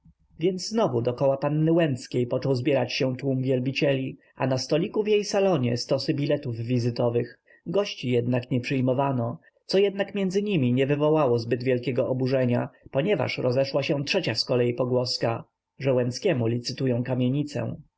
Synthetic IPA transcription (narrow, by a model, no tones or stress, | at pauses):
vʲjɛnd̪zznɔvud̪ɔkɔwapanːɘwɛnt̪skʲejpɔt͡ʂɔwzbʲjɛɾat͡ɕɕɛ̃t̪wumvʲjɛlbʲit͡ɕɛlʲi | ʔa̰nast̪ɔlʲikuvjejsalɔɲɛ̰st̪ɔsɘbʲilɛt̪uvːʲizɘt̪ɔvɘx | ɡɔɕt͡ɕijɛd̪nakɲɛpʂɘjmɔvanɔ | t̪sɔjɛd̪nakmʲjɛnd̪zɘɲimʲiɲɛvɘvɔwawɔzbɘd̪vʲjɛlkʲɛɡɔʔɔbuʐɛɲa̰pɔɲɛva̰ʂɾɔzɛʂwaɕɛtʂɛt͡ɕaskɔlɛjipɔɡwɔska | ʐɛwɛnt̪skʲɛmulʲit̪sɘt̪ujɔ̃w̃kamʲjeɲit̪sɛ̰w̃